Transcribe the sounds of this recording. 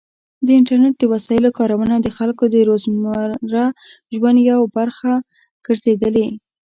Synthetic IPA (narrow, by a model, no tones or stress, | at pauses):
d̪əɪɳʈaɾneʈ̚d̪əwasɑjɪlokɑɾawanad̪əxalkod̪əɾozmaɾa | ʒwand̪jawbaɾxa | ɡ̥əɾzed̪əle